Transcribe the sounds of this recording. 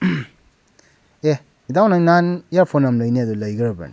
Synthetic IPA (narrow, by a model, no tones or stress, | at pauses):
e | idawnajnanijaɾpʰonamləjniadɔləjɡɐɾaba̰nḭ